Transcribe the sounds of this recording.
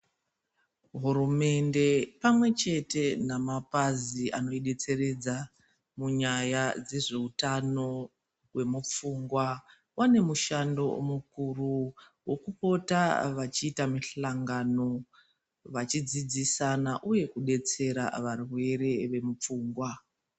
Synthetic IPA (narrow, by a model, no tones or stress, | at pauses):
ɦuɾume̞nde̞pamwe̞t͡ʃe̞te̞namapaziʔano̞iɗe̞t͡se̞re̞d͡za | muɲajad͡ze̞ʐe̞utano̞ | we̞mup͡fuːŋɡwa | wʔane̞muʃando̞̰mukuru | wo̞kupo̞ta̰ʋat͡ʃiːtamiɬaŋɡano̞ | ʋat͡ʃid͡zid͡zisanaʔuje̞kuɗe̞t͡se̞ɾa̰ʋarwe̞ɾe̞ʋe̞mup͡fuːŋɡwa